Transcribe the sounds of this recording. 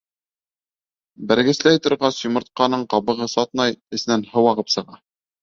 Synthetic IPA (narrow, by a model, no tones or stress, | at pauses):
bæ̆ɾɡɘ̆slæjt̪ŏɾʁɑsjŏmɤ̆ɾt̪̚qɑnɤɴqɑβɤ̆ʁɤsɑt̪nɑjɘ̆snænhɤ̆wɑʁɤpsɤ̆ʁɑ